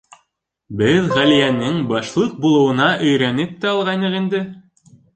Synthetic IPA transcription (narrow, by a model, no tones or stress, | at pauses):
bɘðʁælijænɘŋbɑʃlˠɤq̚bulˠɤ̆wɤ̆nɑʔɵ̆jɾænɘp̚t̪æɑlˠʁɑjnɤqind̪ɘ